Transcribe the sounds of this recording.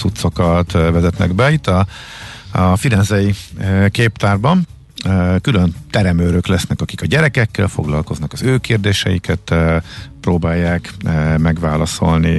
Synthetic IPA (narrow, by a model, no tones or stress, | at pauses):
ut̪so̞kɒt̪vɛzɛt̪nɛ̰ɡbɛit̪ːɒ | fiɾɛnzɛjikeːpt̪aːrbɒn | kylø̞nt̪ɛɾɛmøːɾøklɛsnɛkɒkikɒɟɛɾɛkɛkːɛlfo̞̰ɡlɒlko̞znɒkɒzøːkeːrd̪eːʃɛ̰jikɛt̪ː | proːbaːjːaːkmɛɡʋaːlɒso̞̰lni